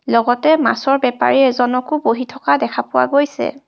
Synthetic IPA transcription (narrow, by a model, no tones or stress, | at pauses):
lɔɡɔtɛma̰sɔɹbɛpa̰ɹiɛzɔnɔkuboɦitʰɔkadɛkʰapʊwa̰ɡojsɛ̰